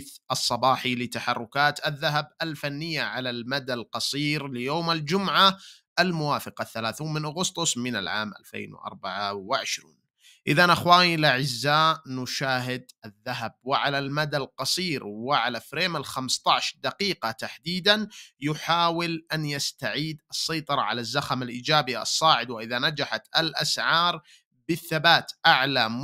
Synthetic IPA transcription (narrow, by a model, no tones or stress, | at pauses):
θʔɑsˤːɑbɑːħilɪt̪aħɑ̰rˤːʊkaːt̪aðːaɦabalfanːɪjːaʕalalmad̪alqɑsˤiːɾlɪjoːmald͡ʒʊmʕaʔalmʊwaːfɪqɑθːalaːθuːnmɪnʔaɣʊst̪ˤʊsˤmɪna̰lʕa̰ːmʔa̰lfḛːnwɪ̰ʔɑ̰ɾˤbaʕawɪʕɪʃɾḭːn | ʔɪðanʔaxwaːnilʔaʕɪzːaːnʊʃaːɦɪd̪ʔaðːaɦab̚wɪʕalalmad̪alqɑsˤiːɾwɪʕalafɾeːmalxamst̪ˤɑʕʃd̪aqiːqɑt̪aħd̪iːd̪anjʊħaːwɪlʔanjast̪aʕiːd̪ʔɨsˤːɑjt̪ˤɑɾˤɑʕa̰lazːaxamalʔiːd͡ʒaːbiɑ̰sˤːɑːʕɪd̪wɪʔɪðanad͡ʒaħat̪alʔasʕɑːɾˤ | bɪθːabaːt̪ʔaʕlam